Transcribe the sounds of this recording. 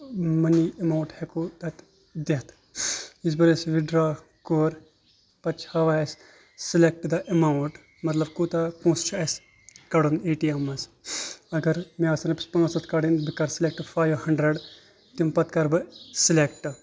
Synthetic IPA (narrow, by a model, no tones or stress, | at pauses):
mɐniɐmawʈhekud̪ɐt̪ | d̪et̪ʰ | is̬bɐɾesʋiɖɾaː | koːɾ | pɐt͡ʃʰhɐʋaːs | silek̚ʈd̪ɐʔɐmawʈ | mɐt̪lɐbkut̪akũːst͡ʃʰɐs | kɐɽuneːʈiɐmɐsɐɡɐɾmiasɐnɐpspɐŋɡɐsɐt̪kɐɽinbikɐɾsilek̚ʈɨfaːjʋhɐɳɖɾɐɖ | t̪impɐt̪kɐɾbɨsilekʈɨ